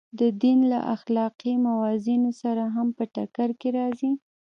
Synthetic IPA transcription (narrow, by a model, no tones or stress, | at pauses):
d̪əd̪inla̰ʔaxlɑqimawɑzinosaɾaɦampəʈakaɾkeɾɑzi